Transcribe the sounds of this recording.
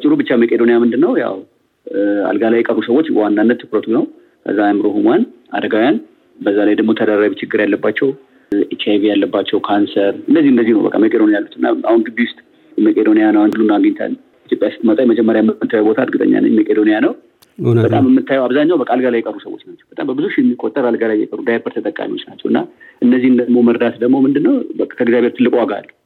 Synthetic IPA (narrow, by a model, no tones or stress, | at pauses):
t͡ʃʼɪɾubɨt͡ʃːamekʼed̪o̞nijamɨnd̪ɨnːəwja̰w | a̰lɡalajɛkʼərːusəwo̞t͡ʃːwanːanːət̪ʰːɨkɾət̪ʰunəw | kʰə̰zːamɨɾohumʷanʔa̰d̪əɡawjan | bəzːalajd̪əɡmo̞t̪ʰəd̪aɾaβit͡ʃɪɡːɨɾjalːəbːat͡ʃːɛw | it̪ʰajvijalːəbːat͡ʃːɛwkʰansəɾɨndəzːihɨnd̪əzːihnəwbə̰kʼːa̰mekʼed̪onijalːut̪ɨnːa̰ahunɡɨb̪iʊst̪ʼ | məkʼed̪o̞nijanəwand̪ɨlunaɡəɲːɪt̪ʰa̰lː | it̪ʰjopʼjasɨt̪ʼmət̪ʼajməd͡ʒɛmːəɾjamːɨmɨt̪ʰːajɛwbo̞t̪ʰad̪ɡɨt̪ʼə̰ɲːa̰nə̰məkʼed̪o̞nijanəw | bət̪ʼaməmːɨt̪ʰːajɛwaβzaɲːawbəkʼalɡalajːɛkʼərːusəwo̞̰t͡ʃːnat͡ʃːɛwbət̪ʼambəbɨzuʃɪjɛmːikʼot̪ʼːəɾalɡalajɛ̰kʼərːud̪ajbʰəɾt̪ʰət̪ʼəkʼa̰miho̞t͡ʃːnat͡ʃːɛ̰wɨnːaʔɨnːəzːihɨnd̪əɡmo̞məɾd̪at̪d̪əɡmo̞mɨnd̪ɨnːəwək̪ʰəɡzijaβʱe̞ɾt̪ʰɨlːɨkʼowaɡaa̰lː